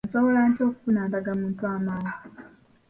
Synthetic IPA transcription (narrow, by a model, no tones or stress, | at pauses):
nsoβo̞laːɲco̞ːku̥funaːndaɡamuːntuaːmaːnzi